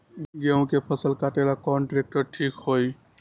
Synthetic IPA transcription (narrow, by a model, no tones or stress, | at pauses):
ɡeũkepʰəsəlkaʈelakɔnʈɾek̚ʈəɾʈʰikhoj